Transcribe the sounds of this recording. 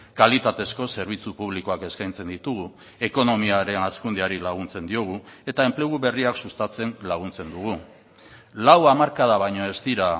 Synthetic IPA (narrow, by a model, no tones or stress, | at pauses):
kalit̪at̪e̞sko̞se̞ɾβ̞it͡supuβ̞liko̞ake̞skajnt͡se̞nd̪it̪uɣ̞u | e̞ko̞no̞miaɾe̞naskund̪eaɾilaɣ̞unt͡se̞nd̪io̞ɣ̞ue̞t̪ae̞mple̞ɣuβe̞riaksust̪at͡se̞nlaɣ̞unt͡se̞nd̪uɣ̞u | lawamaɾkaðaβajɲo̞e̞st̪iɾa